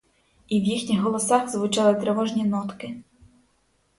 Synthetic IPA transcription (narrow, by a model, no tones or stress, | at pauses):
iwjixnʲixɦɔlˠɔsɑxzʋʊt͡ʃɑlˠɪt̪ɾeʋɔʒnʲinɔt̪kɪ